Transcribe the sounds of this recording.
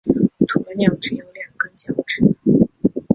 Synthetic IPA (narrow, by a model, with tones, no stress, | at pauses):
t̪ʰu˧ə˧njɑ˥˩ŋʈ͡ʂɻ̩˥˩jɑ˧˥ŋljɑ˨˩ŋkə˥nt͡ɕjɑ˥˧˩ŋʈ͡ʂʰɻ̩˥